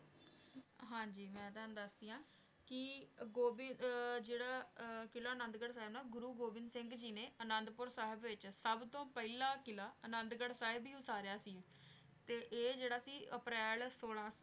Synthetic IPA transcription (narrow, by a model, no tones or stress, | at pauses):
ɦãːd͡ʒiːmɛ̃ːt̪and̪əsd̪iːãː | kɪɡoːbɪd͡ʒeːɽaːkɪlaːənənd̪ɡəɽsaːɦɪbnaːɡʊɾuːɡoːbɪnsɪŋɡd͡ʒiːneːənənd̪pʊɾsaːɦɪbʋɪt͡ʃsəbt̪õːpɛilaːkɪlaːənənd̪ɡəɽsaːɦɪbiːʊsaːɾejaːsiːɛ | t̪eːʔeːd͡ʒeːɽaːsiːəpɾɛːlsoːlãːs